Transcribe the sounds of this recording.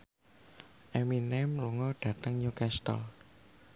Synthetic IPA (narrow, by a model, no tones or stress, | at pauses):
ʔɛminɛmluŋɔɖ̥ä̤t̪əŋɲukɛst̪ə̰l